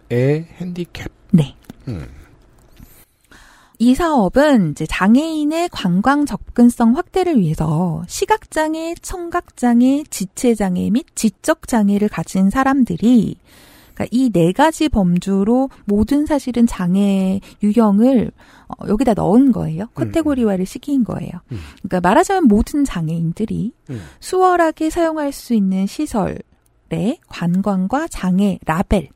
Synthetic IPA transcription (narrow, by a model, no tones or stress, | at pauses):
ehendikʰep̚ne̞ | isʰaʌbɯnid͡ʑe̞t͡ɕaŋe̞ine̞kwaŋɡwaŋt͡ɕʌk̚k͈ɯns͈ʌŋɸwak̚t͈e̞ɾɯɭɥiɦe̞sʰʌɕʰiɡak̚t͡ɕ͈aŋe̞t͡ɕʰʌŋɡak̚t͡ɕ͈aŋe̞t͡ɕit͡ɕʰe̞d͡ʑaŋe̞̰mit̚t͡ɕik̚t͡ɕ͈ʌk̚t͡ɕ͈aŋe̞ɾɯɭkad͡ʑʰinsʰaɾamdɯɾi | ka̰ʔine̞ɡad͡ʑipʌmd͡ʑuɾomodɯnsʰaɕʰiɾɯnt͡ɕaŋe̞juɦjʌŋɯɭ | ʌ̰jʌɡidanʌ̰ɯnɡʌ̰e̞jokʰatʰe̞ɡoɾiwaɾɯɭɕʰiɡʰinɡʌ̰e̞̰jok͈amaɾɦad͡ʑimjʌnmodɯnt͡ɕaŋe̞indɯɾisʰuwʌɾaɡe̞sʰajoŋɦaɭs͈uinːɯnɕʰisʰʌ̰ɭ | ɾe̞kwanɡwanɡwat͡ɕaŋe̞ɾabe̞ɭ